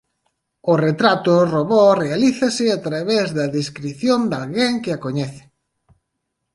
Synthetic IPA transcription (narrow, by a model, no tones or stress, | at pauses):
ʊret̪ɾat̪oroβɔrealiθasɪat̪ɾaβezðɐðeskɾiθjond̪alɣeŋkɪakoɲɛθɪ̥